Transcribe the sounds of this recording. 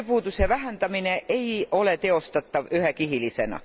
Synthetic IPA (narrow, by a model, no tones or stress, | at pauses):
puːd̪usevæɦænd̪ɑmine̞ʔe̞jo̞le̞t̪e̞o̞st̪ɑt̪ːɑvyɦekiɦilise̞̰nɑ̰